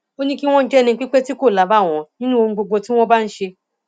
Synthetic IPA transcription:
o˦nĩ˦ki˦w̃ɔ̃˦n̩˦d͡ʒɛ˦˨nĩ˧˦k͡pi˦k͡pe˦ti˦ko˦˨la˨˦ba˦˨w̃ɔ̃˨nĩ˦nũ˦o˧ñ̩˧ɡ͡bo˧ɡ͡bo˧ti˦w̃ɔ̃˦ba˦n̩˦ʃe˧

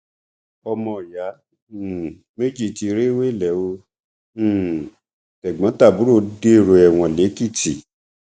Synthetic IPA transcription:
ɔ˧mɔ̃˧˨ja˨˦˨ | me˦d͡ʒi˦˨ti˧ɾe˦we˦˨lɛ˨˦wõ˧˦˨ | tɛ˨ɡ͡bã˨˦ta˦˨bu˨˦ɾo˦˧˨de˦˨ɾo˧ɛ˨w̃ɔ̃˧˨le˨˦ki˦˨ti˨

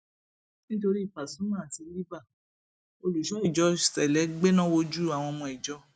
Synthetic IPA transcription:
nĩ˦to˧ɾi˦˨pa˨sũ˨˦mã˦a˨ti˧li˦ba˦˨ | o˧lu˨ʃɔ˨˦i˦˨d͡ʒɔ˧˦˨sɛ˨lɛ˨˦ɡ͡be˦nã˦wo˧d͡ʒu˦˨a˨w̃ɔ̃˧mɔ̃˧i˨d͡ʒɔ˨˧˦

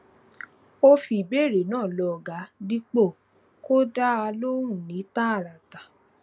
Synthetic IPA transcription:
o˧fi˨be˦˨ɾe˨nãː˦˨lɔ˧˨ɡa˨˦di˦k͡po˦˨ | ko˦da˦a˧lo˦ɾũ˦˨nĩ˨˦ta˦a˦˨ɾa˨ta˨

